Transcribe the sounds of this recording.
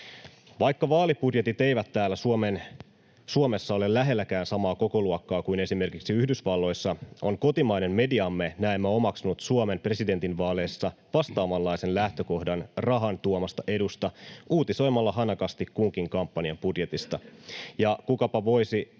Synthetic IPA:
ʋɑjkːɑʋɑːlipudje̞t̪it̪e̞jʋæt̪ːæːlːæsuomen | suome̞sːɑo̞le̞llæɦe̞lːækæːnsɑmɑːko̞ko̞luokːɑːkuine̞sime̞rkiksiyhdysʋɑlːo̞jsːɑo̞ŋko̞t̪imɑjne̞mme̞diɑmːe̞næemːæo̞mɑksunut̪suome̞mpre̞side̞nt̪inʋɑːle̞ːsːɑ | ʋɑst̪ɑːmɑlːɑjse̞nlæht̪ø̞ko̞hdɑnrɑɦɑnt̪uomɑst̪ɑʔe̞dust̪ɑuːt̪iso̞jmːɑlːɑɦɑnɑkɑst̪ikkuŋkiŋkɑmpːɑniɑmpudje̞t̪ist̪ɑjɑkukɑpɑʋo̞jsi

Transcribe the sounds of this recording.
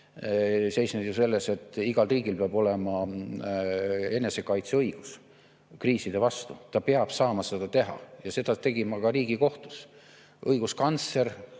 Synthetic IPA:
se̞jsned̪juse̞lːe̞se̞t̪ːˑiɡ̥ɑlriːɡ̥ilpeɑb̥o̞le̞mɑ | e̞ne̞se̞kɑjt̪seɤjɡ̥us | kriːsid̪̥e̞vɑst̪ut̪ɑpeɑb̥sɑːmɑse̞d̪̥ɑt̪e̞ɦɑ̰jɑse̞d̪ɑt̪e̞ɡ̥imɑkɑriːɡ̥iko̞ht̪u̥s | ʔɤjɡ̥uskɑnt̪se̞r

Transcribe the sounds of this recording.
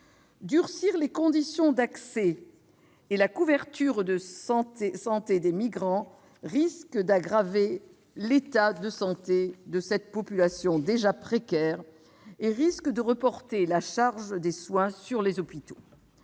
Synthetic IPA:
d̪yʁsiʁlekɔ̃d̪isjɔ̃d̪aksɛ | elakuvɛʁt̪yʁd̪əsɑ̃t̪esɑ̃t̪ed̪emiɡʁɑ̃ | ʁiskd̪aɡʁave | let̪ad̪əsɑ̃t̪ed̪əsɛt̪pɔpylasjɔ̃d̪eʒapχekʲɛːʁ | eʁiskd̪əʁəpɔʁt̪elaʃaʁʒd̪eswɛ̃syʁlezɔpit̪o̥

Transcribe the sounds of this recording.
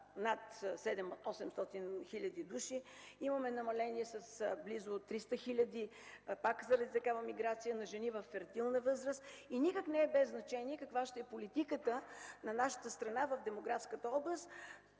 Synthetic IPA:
nat̪sɛd̪ɛmɔsɛmst̪ɔt̪inxiʎʲɐd̪id̪uʃiimɐmɛnɐmɐlɛniɛsɐsblizot̪ːɾist̪əxilʲəd̪ipakzəɾɐd̪it̪ɐkavəmiɡɾat̪sijənɐʒɛnivəfːɛɾt̪ilˠnəvɤzɾəst̪inikəknɛːɛbɛzːnɐt͡ʃɛniɛkəkvaʃt̪ɛɛpolit̪ikət̪ənɐnaʃə̥t̪əst̪ɾɐnavəfd̪ɛmoɡɾafskət̪əɔblˠəst̪

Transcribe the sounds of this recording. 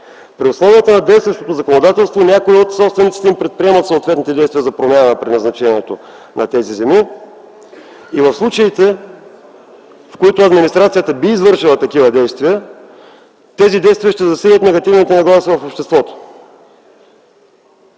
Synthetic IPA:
pɾiʊslˠɔviət̪ənɐd̪ɛjst̪vɐʃt̪ot̪ozɐkonod̪at̪ɛlˠst̪vonʲakoiot̪sɔpst̪vɛnit̪sit̪ɛimpɾɛt̪̚pɾiɛmɐt̪soːt̪vɛt̪nit̪ɛd̪ɛjst̪vijəzɐpɾomʲjanɐpɾʲinɐznɐt͡ʃɛnʲiɛt̪o | nɐt̪ɛzizɛmi | ivɐfslˠut͡ʃɐit̪ɛ | fkoit̪ʊɐd̪minist̪ɾat̪sijət̪əbiːzvɤɾʃilˠət̪ɐkivəd̪ɛjst̪viɐ | t̪ɛzid̪ɛjst̪vijəʃt̪ɛzɐsilʲət̪nɛɡɐt̪ivnit̪ɛnɐɡlˠasivɐfopʃt̪ɛst̪vɔt̪o̥

